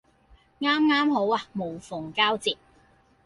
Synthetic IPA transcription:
ŋaː˥mŋaː˥mho˨˥waː˧mo˨˩wfʊ˨˩ŋkaː˥wt͡siː˨p̚

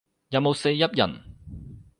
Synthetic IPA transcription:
jɐ˨wmo˨˧wse˧jːɐ˥p̚jɐ̰˨˩n

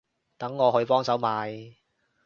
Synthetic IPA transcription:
t̪ɐ˨˥ŋːɔː˨˧ɦɵ˨˧ɥpɔː˥ŋsɐ˨˥wmaː˨˧j

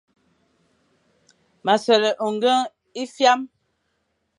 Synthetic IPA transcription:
ma˨sɛ˨lə˨ʔo˨ŋ˦ɡə˦ŋ | i˦fja˦m

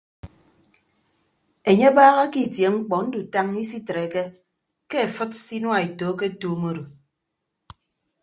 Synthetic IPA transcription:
e˨ɲe˦baː˦ɣa˦ki˦˨tje˨ŋ͡m̩˦k͡pɔ˨n̩˦du˨ta˦m˦ɲi˦si˦tɾe˨ke˦ | ke˦e˨fɨ˦t̚si˦nwa˨e˨toː˨˦ke˦tuː˦mo˦ɾo˨

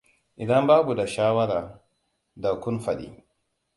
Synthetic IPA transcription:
ʔɪ˨dɐ˦mbaː˦bu˨da˨ʃaː˦wɐ˦ɾaː˨ | da˨kʷʊ˦nfɐ˨ɗḭː˦

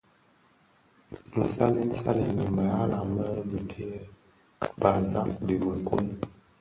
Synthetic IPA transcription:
n̩˨sa˦li˦n̩˦sa̰˦li˨ni˨ma˨ja˦la˨mə˦di˨bi˦ə˦ | ba˨za˦di˨bə˨kṵ˦n˦

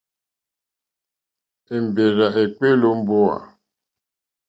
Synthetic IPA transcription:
e˨m˨be˨ɾa˨ʔe˨k͡pe˦lo˦m̩˦bo˦a̰˨

